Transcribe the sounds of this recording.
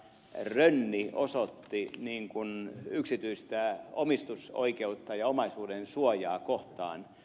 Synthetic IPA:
rønːiosot̪ːiniːŋkunyksit̪yist̪æomist̪uso̰ikeut̪ːɑjɑomɑisuːdensuojɑːkoht̪ɑ̰ːn

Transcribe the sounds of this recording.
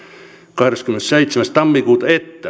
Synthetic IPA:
kɑheɾekskymensseit̪semæst̪ɑmːikuːt̪ɑet̪ːæ

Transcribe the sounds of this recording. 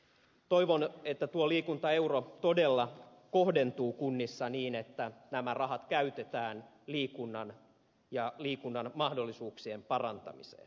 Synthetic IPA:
t̪oiʋonet̪ːæt̪uoliːkunt̪ɑe̞urot̪odelːɑ | kohde̞nt̪uːkunːisːɑniːnet̪ːænæmærɑɦɑt̪kæyt̪et̪æːn | liːkunːɑn | jɑliːkunːɑnmɑhdolːisuːksiempɑrɑnt̪ɑ̰mḭsḛːn

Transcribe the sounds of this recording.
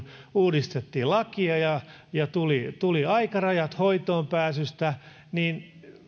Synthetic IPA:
uːdist̪et̪ːiːlɑkiɑjɑ | jɑt̪ulit̪uliɑikɑrɑjɑt̪hoit̪oːmpæːsyst̪æ | niːn

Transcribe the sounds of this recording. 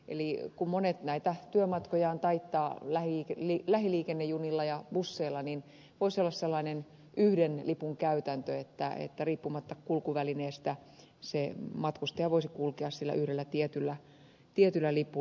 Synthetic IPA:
ḛlikummonet̪næit̪æt̪yømɑt̪kojɑːnt̪ɑit̪ːɑːlæhiiklilæhiliːkenːejunilːɑjɑb̥usːeilːɑnin | ʋoisolːɑsselːɑinen | yhdenlipuŋkæyt̪ænt̪øet̪ːæ̰ḛt̪ːæriːpːumɑt̪ːɑkkulkuʋælineːst̪æ | semɑt̪kust̪eɑʋoisikulkeɑssilːæ̰ʔyhɾelːæt̪iet̪ylːæ | t̪iet̪ylːælipu

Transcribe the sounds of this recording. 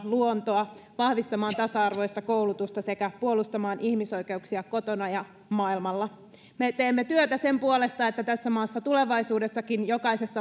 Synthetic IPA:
luont̪o̞ɑʋɑhʋist̪ɑmɑːnt̪ɑsɑɑrʋo̞jst̪ɑkowlut̪ust̪ɑse̞kæpuolust̪ɑmɑːnʔihmiso̞jke̞uksiɑko̞t̪o̞nɑjɑ | mɑilmɑlːɑ | me̞t̪eːmːet̪yøt̪æse̞mpuole̞st̪ɑe̞t̪ːæt̪æsːæmɑːsːɑt̪ule̞ʋɑisuːde̞sːɑkinjo̞kɑise̞st̪ɑ

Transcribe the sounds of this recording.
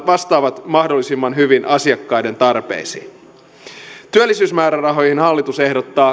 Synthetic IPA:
ʋɑst̪ɑːʋɑt̪mɑhdo̞lːisimːɑnɦyʋinʔɑsiɑkːɑjde̞nt̪ɑrpe̞̰isḭː | t̪yølːisyːsmæːɾærɑɦo̞jhinɦɑlːit̪use̞hdo̞t̪ːɑː

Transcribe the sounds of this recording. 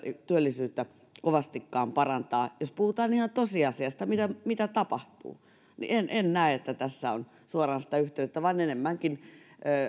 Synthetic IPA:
t̪yølːisyːt̪ːæ | koʋɑst̪ikːɑːmpɑrɑnt̪ɑːjospuhut̪ɑːnihɑnt̪osiɑsiɑst̪ɑmit̪æmit̪æt̪ɑpɑht̪ṵː | nḭʔenʔennæiet̪ːæt̪æsːæon | suorɑnsi̥t̪æyht̪eyt̪ːæʋɑinenemːæŋkinøː

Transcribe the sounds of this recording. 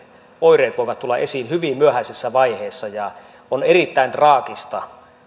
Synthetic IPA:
oireːt̪ʋoˑiʋɑt̪t̪ulːɑʔesiːnhyʋimmyøhæisisːæʋɑiheːsːɑjɑ | onerit̪ːæint̪rɑːkist̪ɑ

